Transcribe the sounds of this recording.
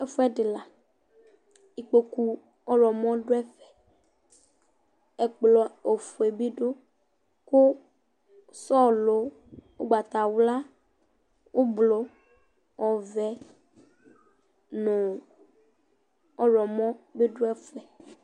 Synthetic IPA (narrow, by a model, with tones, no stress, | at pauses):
e˦fu˦ɛ˦ɖe˨la˨ | i˨k͡po˨ku˦ | ɔ˦ɾɔ˨mɔ̃˦ɖo˦ɛ˦fɛ̥˨ | ɛ˨k͡plɔ˨o˨fo˨e˨bi˦ɖo˦ | ko˦ | sɔ˦lo˨ | wo̰˦ɡ͡ba˨t̪a˨wla˦ | wʔo˦blo˨ | ɔ˨vɛ˨ | nõ˨ | ɔ˦ɾɔ˨mɔ̃˦be˦ɖo˦ɛ˦fɛ˨